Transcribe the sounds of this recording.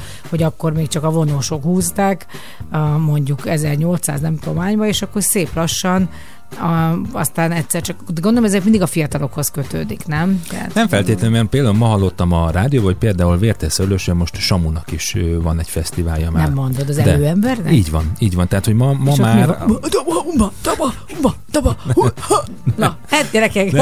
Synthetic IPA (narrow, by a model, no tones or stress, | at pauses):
ho̞ɟɒkːo̞rmeːkt͡ʃɒkɒvo̞noːʃo̞khuːst̪aːk | mo̞ɲɟukɛzɛrɲo̞lt̪sa̰ːznɛmt̪omaːɲbɒeːʃɒkːo̞rseːplɒʃːɒn | ɒst̪aːnɛt̪sɛrt͡ʃɒkd̪ɡond̪olomɛzɛkmind̪iɡɒfijɒt̪ɒlo̞kho̞skøt̪ø̰ːd̪iknɛmt̪ɛ̰a̰t̪nɛmfɛlt̪eːt̪lɛnmɛnpeːld̪aːulmɒɦɒlːot̪ːɒmɒraːd̪ijoːbɒɦoc̚peːld̪aːulveːrt̪ɛsøɾløːʃømo̞ʃt̪ʃɒmunɒkiʃøvɒnɛcfɛst̪iva̰ːljɒmaːnɛmːo̞nd̪o̞d̪ɒzɛdløːɛmbɛrnɛiːɟʋɒniːɟʋɒnt̪ɛɦat̪hoɟmɒmɒmaːmird̪ubɒd̪ɒbɒ | ubɒd̪ɒbɒuh | nɒ | hat̪̚ɟɛɾɛkɛk